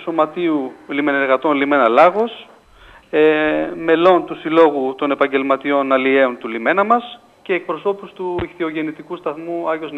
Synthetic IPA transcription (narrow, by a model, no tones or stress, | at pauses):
so̞mɐt̪iulime̞neɾɣɐt̪o̞nlime̞nɐlɐɣo̞s | eme̞lo̞nt̪usilo̞ɣut̪o̞ne̞pɐɲɟe̞lmɐt̪io̞nɐlieo̞nt̪ulime̞nɐmɐs | ce̞ːk̚pɾo̞so̞pust̪uixθio̞ʝe̞nit̪ikust̪ɐθmuɐjoz